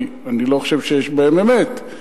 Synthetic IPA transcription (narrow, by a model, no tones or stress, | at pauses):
aniloχoʃevʃejeʃbeememet̪